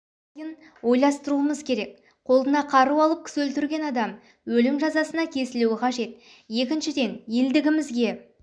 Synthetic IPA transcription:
jən | wo̞jlˠɑst̪əɾuəməzkʲʰe̞ɾe̞k | qʰo̞lˠd̪ənɑqʰɑɾuɑlˠəp̚kʲʰɪ̥swɵlt̪ɪɾɡʲe̞nɑd̪ɑm | wɵlɪmʒɑzɑsənɑkʲʰe̞sɪluɪqʰɑʒe̞t̪ | je̞kʲɪnʃɪd̪e̞nje̞ld̪ɪɡʲɪmɪzɡʲe̞

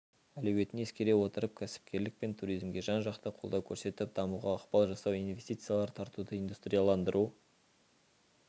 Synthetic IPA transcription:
ælɵwe̞t̪ɪne̞skʲe̞ɾe̞wo̞t̪əɾəp̚kʲʰæsɪ̥p̚kʲe̞ɾlɪk̚pe̞nt̪ʰuɾijzmɡʲe̞ʒɑnʒɑqt̪əqʰo̞lˠd̪ɑwkʲʰɵɾse̞t̪ɪp̚d̪ɑmuʁɑːqpɑlˠʒɑsɑwijnve̞st̪ijt̪sɨjalˠɑɾt̪ʰɑɾt̪ud̪əind̪ust̪ɾijalˠɑnd̪əɾʔu

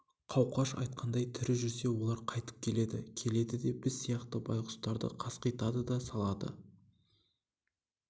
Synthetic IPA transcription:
qʰɑwqɑʃɑ̰jt̪̚qʰɑnd̪ɑjt̪ʰʏɾɪʒʏɾse̞wo̞lˠɑɾqʰɑjt̪ə̥p̚kʲʰe̞le̞d̪ɪ̰kʲʰe̞le̞d̪ɪd̪e̞bɪzsijɑqt̪əbɑ̰jqʊ̥st̪ɑɾd̪ə̰qʰɑsqijt̪ɑd̪əd̪ɑsɑlˠɑd̪ə̰

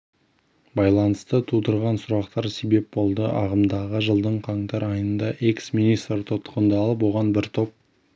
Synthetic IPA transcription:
bɑjlˠɑnəst̪ət̪ʰud̪əɾʁɑnsʊɾɑqt̪ɑɾse̞be̞p̚bo̞lˠd̪əʔɑ̰ʁəmd̪ɑʁəʒəlˠd̪əɴqʰɑɴt̪ɑɾɑjənd̪ɑʔeksminijst̪ɾt̪ʰot̪ə̥qənd̪ɑːlˠəp̬wo̞ʁɑnbɪɾt̪ʰo̞p̚

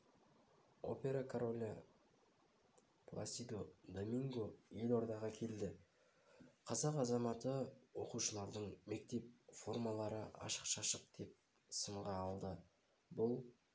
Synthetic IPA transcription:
o̞̰pʲe̞ɾakʰoɾolʲa | plˠa̰sʲid̪od̪omiŋɡoje̞lʲo̞ɾd̪ɑʁɑkʲʰe̞ld̪ɪ | qʰɑzɑqɑzɑmɑt̪əwo̞quʃəlˠɑɾd̪əɴme̞k̚t̪e̞p̚fo̞rmɑlˠɑɾəɑ̰ʃə̥qʃɑʃəq̚d̪̥e̞p̚ | səɴʁɑːlˠd̪ə | bʊlˠ

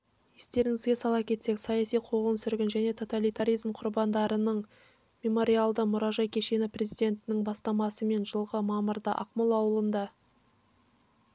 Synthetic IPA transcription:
je̞st̪e̞ɾɪŋɪzɡʲe̞sɑlˠɑpkʲʰe̞t̪se̞ksɑjɑsijqʰoʁənsʏɾɡʲɪnʒæne̞t̪ʰo̞t̪alijt̪aɾijzmqʰʊɾbɑnd̪ɑɾənəɴ | mʲe̞mo̞ɾialˠd̪əmʊɾɑʒɑjkʲʰe̞ʃe̞nɪprʲe̞zijd̪ʲe̞nt̪ɪnɪŋbɑst̪ɑmɑsəme̞nʒəlˠʁəmɑməɾd̪ə̰ʔɑ̰qməlˠɑwəlˠənd̪ɑ

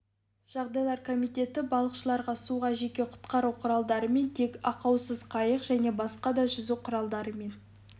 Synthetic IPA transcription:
ʒ̥ɑʁd̪ɑjlˠɑɾkʰo̞mijt̪e̞t̪ɪbɑlˠəqʃəlˠɑɾʁɑsuʁɑʒe̞kʲe̞qʰʊ̥t̪qɑɾuqʰʊɾɑlˠd̪ɑɾəme̞nt̪ʰe̞kɑqɑwsəzqʰɑjəqʒ̥æne̞bɑsqɑd̪ɑʒʏzɪqʰʊɾɑlˠd̪ɑɾəme̞n

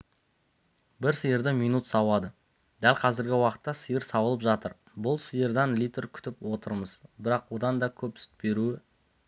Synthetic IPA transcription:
bɪɾsəjəɾd̪ɪmijnut̪sɑwɑd̪ə | d̪ælqʰɑzɪɾɡʲɪwɑqə̥t̪ːɑsəjəɾsɑbəlˠəpʒɑt̪əɾ | bʊlˠsəjəɾd̪ɑnlʲijt̪ɾkʲʰʏ̥t̪ɪpwo̞t̪əɾməzbɪɾɑqwo̞d̪ɑnd̪ɑkʲʰɵp̚ʏ̥st̪̚be̞ɾuɪ

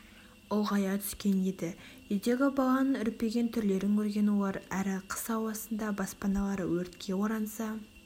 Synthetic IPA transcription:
olˠʁɑjɑt̪ʰʏ̥skʲe̞ned̪ɪʒʏzd̪e̞ɡʲɪbɑlˠɑnəɴʏɾpːe̞ɡʲe̞nt̪ʰʏɾle̞ɾɪŋkʲʰɵɾɡʲe̞nwolˠɑɾæɾɪqʰə̥sɑwɑsənd̪ɑbɑspɑnɑlˠɑɾəwɵɾt̪kʲʰe̞wo̞ɾɑnsɑ

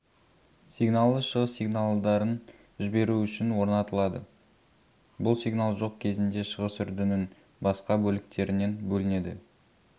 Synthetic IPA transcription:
siɡnalˠəʃəʁəsːijɡnalˠd̪ɑɾən | ʒɪbe̞ɾuʏʃɪnwo̞ɾnɑt̪əlˠɑd̪ə | bʊlˠsiɡnalˠʒo̞q̚kʲʰe̞zɪnd̪e̞ʃəʁəsʏɾd̪ɪnɪn | bɑsqɑbɵlɪk̚t̪ʰe̞ɾɪne̞nbɵlɪne̞d̪ɪ̰

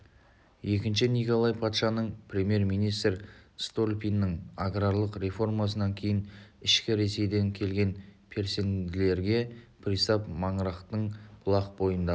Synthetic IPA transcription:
je̞kʲɪnʃɪnijko̞lˠɑjpʰɑt̪ʃɑnəɴprʲe̞mʲje̞ɾmijnijst̪rst̪olʲpʲijnːəɴaɡɾaɾlˠəqɾe̞fo̞rmɑsənɑŋkʲʰe̞jɪnɪʃkʲɪɾe̞se̞jd̪e̞ŋkʲʰe̞lɡʲe̞npʰe̞ɾse̞nd̪ɪle̞ɾɡʲe̞pʰɾʲisɑpmɑɴəɾɑqt̪əɴb̥ʰʊlˠɑqbo̞jənd̪ɑ

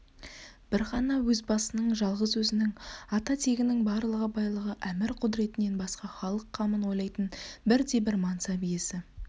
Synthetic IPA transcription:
b̥ɪɾχɑnɑwɵzbɑsənəɴʒɑlˠʁəzwɵzɪnɪŋɑt̪ɑt̪ʰe̞ɡʲɪnɪŋbɑɾlˠəʁəbɑjlˠəʁəʔæmɪɾqʰʊd̪ɾe̞t̪ɪne̞nbɑsqɑχɑlˠəqʰːɑmənwo̞jlˠɑjt̪ənbɪɾd̪e̞bɪɾmɑnsɑbije̞sɪ

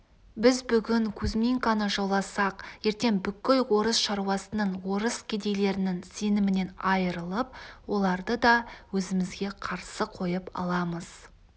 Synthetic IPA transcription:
bɪzbʏɡʲɪŋkʲʰʉzmʲiŋkanəʒolˠɑsɑqje̞ɾt̪e̞ŋbʏkʲːelwo̞ɾəsʃɑɾuwɑsənəɴwo̞ɾəskʲʰed̪e̞jle̞ɾɪnɪŋse̞nɪmɪne̞nɑjəɾəlˠəp̚wo̞lˠɑɾd̪əd̪ɑwɵzɪmɪzɡʲe̞qʰɑɾsəqʰo̞jəpɑ̰lˠɑməz̥

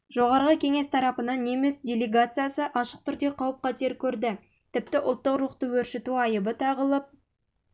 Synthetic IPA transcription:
ʒo̞ʁɑɾʁəkʲʰe̞ŋe̞st̪ʰɑɾɑpənɑnːe̞me̞sdʲelʲeɡat̪sɨjasəʔɑʃəq̚t̪ʰʏɾd̪e̞qʰɑwəp̚qʰɑt̪e̞ɾkʲʰɵɾd̪ɪ | t̪ʰɪp̚t̪ɪʔʊ̰lˠt̪ːəqɾuqt̪əwɵɾʃet̪uɑjəbət̪ʰɑʁəlˠəp̚

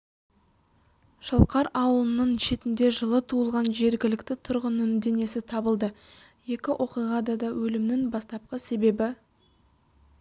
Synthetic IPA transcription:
ʃəlˠqɑɾɑwəlˠənːəɴʃe̞t̪ɪnd̪e̞ʒəlˠət̪ʰuəlˠʁɑnʒe̞ɾɡʲɪlɪkt̪ɪt̪ʰʊɾʁənəmd̪e̞ne̞sɪt̪ʰɑbəlˠd̪əje̞kʲɪʔo̞qijʁɑd̪ɑd̪ɑwɵlɪmnɪŋbɑst̪ɑp̚qəse̞be̞bɪ

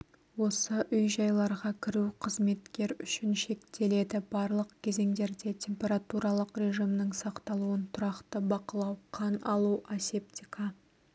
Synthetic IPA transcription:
wo̞səʔʏjʒɑjlˠɑɾʁɑkʲʰɪɾuqʰəzme̞t̪kʲe̞ɾʏʃɪnʃe̞kt̪e̞le̞d̪ɪbɑɾlˠəqkʲʰe̞ze̞ŋd̪e̞ɾd̪e̞t̪ʲʰe̞mpʲe̞ɾat̪uɾɑlˠəqɾʲe̞ʒijmnəɴsɑqt̪ɑlˠuənt̪ʰʊɾɑqt̪əbɑqəlˠɑwqʰɑnɑlˠuʔase̞pt̪ʲikʰɑ

